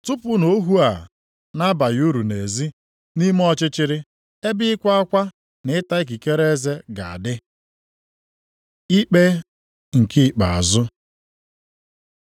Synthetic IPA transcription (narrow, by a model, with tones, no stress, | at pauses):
tʊ˦pʊ˦no˦ɦu˦a˨ | na˦ba˨ju˦ɾu˨ne˨zi˦ | ni˦m˦ɔ˦t͡ʃɪ˦t͡ʃɪ˦ɾɪ˦ | e˦bɪ˦kʷa˦a˦kʷa˦ | nɪ˨ɪ˦ta˦i˦k̬i˨ke˦ɾe˦ze˦ɡa˨a̰˨dɪ˦ | i˦k͡pe˦ | ŋ̩˨kɪ˦˨k͡pa˨a˨zʊ˦